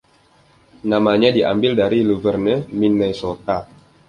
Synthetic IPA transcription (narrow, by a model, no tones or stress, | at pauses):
namaɲadiʔa̰mbɪldaɾiluvərnərminɛsot̪a